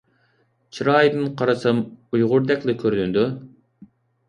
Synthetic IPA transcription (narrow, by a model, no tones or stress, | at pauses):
t͡ʃʰiɾɑːjd̪ɨnqʰɑɾɨsɑmujʁʊɾd̪ɛkʲlˠɪkʲʰøɾd̪ynd̪u